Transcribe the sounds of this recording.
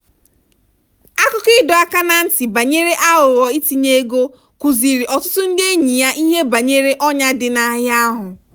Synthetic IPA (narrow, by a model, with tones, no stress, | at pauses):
a˦kʊ˦kɪ˦dɔ˨a˦ka˦na˨n̩˦ti˨ba˨ɲe˦ɾe˦ʔa˦ʊ˨ɾɔ˨i˦ti˨ɲe˦ɡo˦ | ku˨zi˨ɾi˨ʔɔ˨tʊ̥˦tʊ˦n̩˦dɪ˦e˦ɲi˨ja˦ʔi˦ɦe˦ba˨ɲe˦ɾe˦ʔɔ˦ɲa˦dɪ˨na˦ɦɪ˦a˦ɦʊ˨